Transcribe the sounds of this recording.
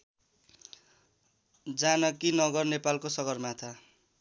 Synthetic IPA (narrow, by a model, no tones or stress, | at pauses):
d͡zanʌkinʌɡʌrnepalkosʌɡʌrmat̪ʰa